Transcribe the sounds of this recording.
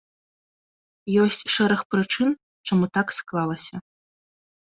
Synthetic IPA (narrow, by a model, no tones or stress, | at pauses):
jɔsʲt͡sʲʂɛɾɐxpɾɨt͡ʂɨn | t͡ʂamut̪aksklˠalˠɐsʲɐ